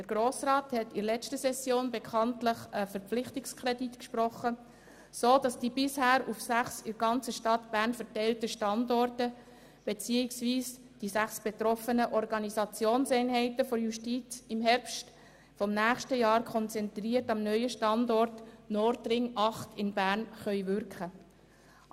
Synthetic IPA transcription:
d̥əɾɡ̥ɾoːsrɑːthɛtɪɾlɛstəsɛsjoːnbekʰɑntləχəfəɾpp͡flɪχtɪkskʰɾɛditkʃpɾɔχə | soːd̥ɑsd̥iːbɪshæːɾufsæχsɪɾɡ̥ɑnt͡səʃtɑtb̥æːɾnfəɾtɛɪltəʃtɑndɔrtə | b̥et͡siɪksviːs | d̥isæχsb̥et̪ɾɔfənəʔɔɾɡɑnizɑt͡sjoːnsɛɪnɦɛɪtəfɔɾjuʃtiːt͡sɪmɦɛɾpʃt | fɔmnæːχʃtəjɑːɾkʰχɔnt͡sɛnt̪riətɑmnœʏəʃtɑndɔrtnɔɾtɾɪŋʔɑχtɪnbæːɾnχœʏvʏɾkχə

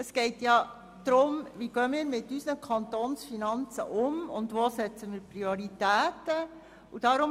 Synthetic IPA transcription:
əsɡ̥ɛɪtjɑ | d̪̥ɾʊmʋiɡ̥œəmiːɾmɪtːysnəkʰɑnt̪oːnsfinɑnt͡sə̰ʔʊmʊ̰ndʋosɛt͡səmiːɾprioɾitæːtə | ud̥ɑɾʊm

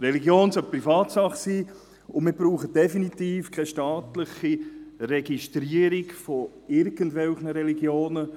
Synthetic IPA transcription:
ɾɛliɡjoːnsœlpɾifɑːt̪sɑχsiː | ʊmɪːbɾuːχəd̥ɛfinit̪iːfkʰɛʃtɑːt̪lɪχirɛɡiʃtɾiəɾikfɔ | ɪɾɡ̥əndʋɛlχnəɾɛliɡjoːnə

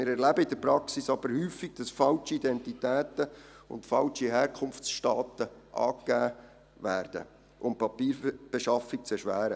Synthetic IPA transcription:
mɪːɾɛɾlæbəɪdəɾpɾɑksisɑb̥əɾhyːfːiɡ̥̚d̥ɑsfɑlt͡ʃiidɛntit̪æːt̪ə | ʊ̰ntfɑlt͡ʃiɦɛːɾkʰʊnft͡sʃtɑːt̪əʔɑ̰ːkːæː | væːrd̥ə̰ | ʔʊmpɑpiːɾb̥eʃɑfik̚t͡sɛʃʋæːɾə

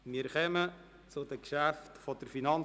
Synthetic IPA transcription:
miːɾkɛmə | t͡sʊdəkʃæftfɔdəɾfinɑn

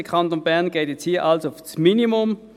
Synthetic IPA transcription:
əkʰɑntonb̥ɛɐnɡ̥eːtjɛt͡shiːɐʔɑlsofsminimʊm

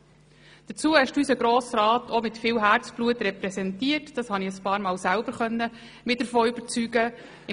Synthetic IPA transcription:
d̥ət͡suːəhɛʃdysəɡɾoːsɾɑːtʰomɪtfɪːwɦæːɾt͡sb̥luətɾɛpɾɛsɛntiːəɾtd̥ɑshɑniəspɑːɾmɑːlsælbəɾχœnːə | mɪd̥əɾfoːyb̥əɾt͡syɡə | ɪ

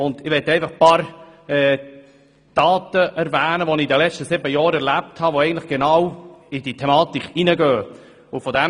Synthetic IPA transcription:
ʊnd̪ɪʋɛtːɛɪfɑχpɑːɾɛː | d̥ɑːtəʔɛɾvæːnəʋonid̪əlɛt͡ʃtəsɪbəjɑːɾɛɾlæp̚thɑʋoɛɪɡən̩tlɪχɡ̥enɑwid̥itʰɛmɑːtikʰinəɡøː | ʊfɔdɛm

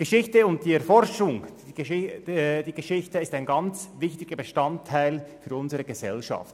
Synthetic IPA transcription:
ɡ̥əʃɪçtəʊnt̚d̥iːɛɐfɔɾʃʊŋ | ɪd̥iːɡəʃɪçtəɪstaɪnɡɑnt͡svɪçtɪɡ̥əbəʃtɑntʰːaɪlfyːɾʊnzəʁəɡəzɛ̰lʃɑ̰ft

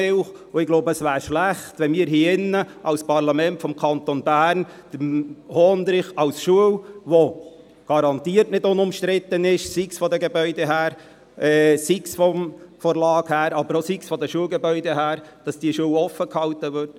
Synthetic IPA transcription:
ɪlχ | ʊɪɡloʊbəəsʋæːɾʃlæχtʋɛnmiːɾɦiːɪnːəʔɑlspʰɑɾlɑmɛntfɔmkʰɑnt̪onbæːɾn | d̥əhɔːnd̪ɾɪχɑʊsʃuəwʋo | ɡ̥ɑɾɑnt̪iːəɾtnɪdʊnʊmʃtɾɪt̪ːənɪʃsiksfɔd̪əɡebœʏdɛɦæːɾ | ɛːsiksfɔmfɔɾlɑːkhæːɾɑb̥əɾosiksfɔdəʃuəlɡebœʏdɛɦæːɾd̥ɑsd̥iəʃuəwɔfəkhɑwt̪əʋʏrt

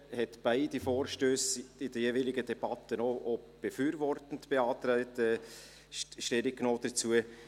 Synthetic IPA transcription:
hɛtb̥aɪdifoːɾʃtøːsɪd̥əjeːvilɪɡədɛb̥ɑt̪ənoʔob̥efyːɾvɔrtən̩tb̥eɑːt̪ɾaɪtɛ | ʃtɛɾik̚knoːd̥ət͡suə

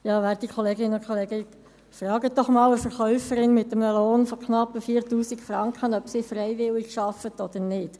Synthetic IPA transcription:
jɑːʋæːɾd̥ikʰɔleːɡɪnəʊnkʰoleːɡə | frɑːɡət̚d̥ɔχmɑːləfɛɾχœʊfəɾɪnmɪt̪əməloːnfɔkχnɑpːəfiːɾtuːsikfrɑŋkʰχənœpsifrɛɪʋɪlikʃɑfət̪ɔd̥̪əɾnɪt

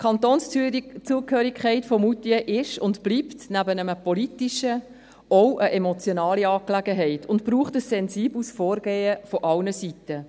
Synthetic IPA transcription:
kʰχɑntoːnst͡suːəkhøːɾikʰχɛɪtfɔmutiəʔɪʃʊntb̥liːptnæbənəməpolitiʃə | ɔwʔəʔɛmɔt͡sjonɑːliɑːklæɡəɦɛɪtʊntb̥ɾuːχtəsːɛnziːblsfɔːɾɡeːəfɔʔɑlnəsitə

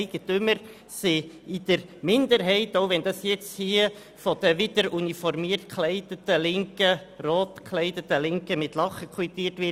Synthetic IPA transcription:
ɪɡ̥ət̪ʏməɾ | sɪɪd̪̥əɾmɪnd̪əɾɦɛɪtoʊʋɛnd̥̪ɑsjɛt͡shiə | fɔd̥̪əʋɪd̪̥əɾunifɔɾmiːərtkʰlɛɪdətəlɪŋkəroːtkʰlɛɪdətəlɪŋkəmɪtlɑχəkʰwit̪iːətʋɪ

